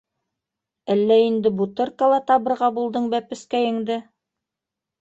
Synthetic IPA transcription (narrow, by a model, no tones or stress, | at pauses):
ælːæind̪ɘbut̪ɤɾkɑlˠɑt̪ɑβɤ̆ɾʁɑbulˠd̪ɤɴbæpɘ̆skæjɘ̆ŋd̪ɘ